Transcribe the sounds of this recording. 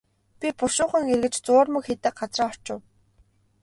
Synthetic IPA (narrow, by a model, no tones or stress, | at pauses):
pʲipʊʃʊːχə̆ŋerɣɘ̆t͡ɕt͡sʊːrmɵ̆kxet̪ĕːk̚ɢat͡sraːɔ̥r̥t͡ɕʊ̆w